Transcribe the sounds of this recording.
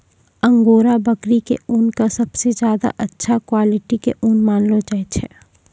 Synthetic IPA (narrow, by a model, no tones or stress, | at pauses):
ɐ̃ŋɡoːɾabɐkɾikḛunkasɐbsezjaːd̪a̰ʔɐtːʃʰakwaːlɪʈikḛʔunmaːnlot͡ʃaet͡ʃʰɛ